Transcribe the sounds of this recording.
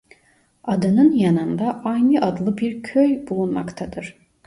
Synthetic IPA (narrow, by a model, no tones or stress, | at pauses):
ad̪ɯnɯnjanɯnd̪aʔajnɯʔad̪lˠɯbiɾcʰøjbulˠunma̰kt̪ʰad̪ɯɾ̥